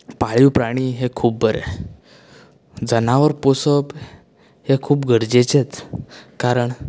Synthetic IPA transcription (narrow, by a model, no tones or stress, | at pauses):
paɭiwpɾaɽ̃iːɦekʰuːp̚bəɾḛ | d͡zənaʋəɾposəp | hekʰuːpɡʱəɾd͡ʑet͡ɕet͡skaɾəɳ